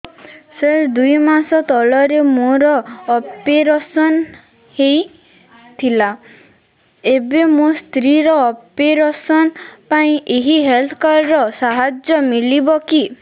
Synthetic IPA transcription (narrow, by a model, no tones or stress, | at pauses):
seɾd̪ujmasɔt̪ɔlɔɾemoɾɔːpeɾɔsɔn | hej | t̪ʰila | ebemost̪ɾiɾɔːpeɾɔsɔnpaĩʔeɦiɦelt̪ʰɔkaɾɾɔsaɦad͡ʒjɔmilibɔki